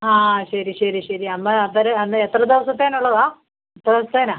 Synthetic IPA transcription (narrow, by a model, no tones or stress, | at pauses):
aːɕɐɾiɕɐɾiɕɐɾiɐmːɐɐt̪ːɐɾɐɐnːet̪rɐd̪eʋɐsɐt̪ːaːnuɭːɐðaː | et̪ːrɐesɐt̪ːeːnaː